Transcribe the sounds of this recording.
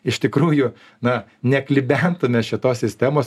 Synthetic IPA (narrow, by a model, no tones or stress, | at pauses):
ɪʃt̪ʲɪkɾuːjʊ | nɐnʲɛklʲɪbʲænt̪ʊmʲɛʃʲɪt̪oːssʲɪsʲt̪ʲæmoːs